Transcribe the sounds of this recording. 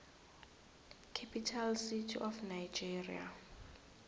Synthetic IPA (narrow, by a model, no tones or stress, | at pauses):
kʰapʰitʰalsitʰḭʔɔfnajd͡ʒerḭa̰